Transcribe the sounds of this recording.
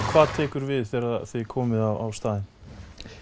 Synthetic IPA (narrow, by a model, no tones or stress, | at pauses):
kʰv̥aːðt̪ʰɛːkʏɾvɪðθɛːɾaðθɪkʰɔːmɪðawa̰wst̪aːðɪn